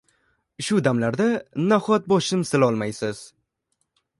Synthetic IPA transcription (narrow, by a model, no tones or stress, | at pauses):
ʃʊd̪amlaɾd̪anaχɒt̪̚bɒʃɪmsɪlɒlˠmajsɪz̥